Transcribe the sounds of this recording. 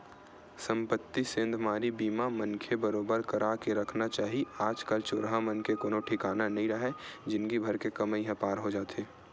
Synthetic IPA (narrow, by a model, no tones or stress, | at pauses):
sə̃mpət̪ːisẽːnd̪ʱmaːɾibiːmamɐnkʰebɐɾoːbəɾkɐɾakeɾɐkʰnat͡ʃaːɦiaːd͡ʒkəlt͡ʃʊɾɦamənkekoːnõʈʰɪkaːnanɐɦĩɾɐɦed͡ʒɪnkibʱɐɾkekɐməiɦɛ̃paːɾɦod͡ʒaːt̪eː